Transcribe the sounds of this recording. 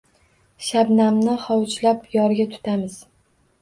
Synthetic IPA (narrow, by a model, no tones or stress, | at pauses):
ʃabnamnɪχɒwt͡ʃlapjɒɾɡʲat̪ʰʊ̥t̪ʰamɪz̥